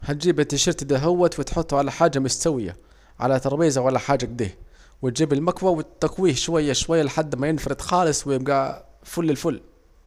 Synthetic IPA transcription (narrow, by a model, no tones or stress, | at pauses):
hat̪̚d͡ʒiːbɪt̪ɪʃɪɾt̪ɪd̪aɦawːat̪wɪt̪ħʊt̪ˤːʊʕalaħaːd͡ʒːamʊst̪awɪja̰ | ʕa̰lat̪ɑɾˤbiːzawalːaħaːd͡ʒaɡ̚d̪ḭːh | wɪt̪d͡ʒiːbɪlmakwawɪt̪ːakwiːhʃwajːaʃwajːalɪħad̪ːmajɪnfɑɾɪd̪xɑːlɪsˤwɪjɪb̚ɡafʊlːɪlfʊlː